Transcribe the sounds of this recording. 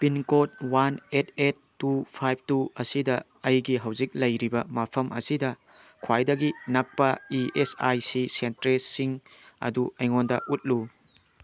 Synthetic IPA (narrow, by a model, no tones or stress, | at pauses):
pinkot̚wanetʰet̚ːupʰajb̚ʰtuɐsidɐː | jɡiɦɐwzik̚lɐjɾibɐmapʰɐmʔɐ̰sidɐ | kʰwajdɐɡinɐk̚pɐiʔesa̰jsisentɾesiŋɐ̰duɐjŋondɐʔut̚lu